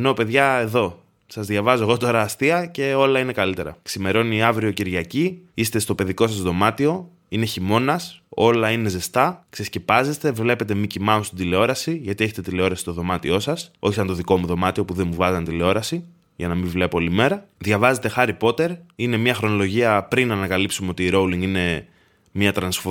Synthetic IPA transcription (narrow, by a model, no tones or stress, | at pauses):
eno̞pe̞ðʝɐe̞ðo̞ | sɐzðʝɐvɐzoe̞ɣo̞t̪o̞ɾɐːst̪iɐce̞o̞lɐine̞kɐlit̪e̞ɾɐ̰ksime̞ɾo̞niɐvɾio̞ciɾʝɐciist̪e̞st̪o̞pe̞ðiko̞sɐsðo̞mɐt̪io̞ | ine̞çimo̞nɐso̞lɐine̞ze̞st̪ɐksescepɐze̞st̪e̞vle̞pe̞t̪e̞micimɐost̪id̪ileo̞ɾɐsiʝɐt̪ie̞çet̪et̪ile̞o̞ɾɐsi̥st̪o̞ðo̞mɐt̪io̞sɐso̞çisɐnt̪o̞ðiko̞muðo̞mɐt̪io̞puðe̞muvɐzɐnt̪ile̞o̞ɾɐsi | ʝɐnɐmivle̞poolime̞ɾɐðʝɐvɐze̞t̪e̞xɐɾipo̞t̪e̞ɾine̞mɲɐxɾo̞no̞lo̞ʝiɐpɾinɐnɐkɐlipsumeo̞t̪iːɾo̞wliŋɡine̞ | mɲɐt̪ɾɐnsfo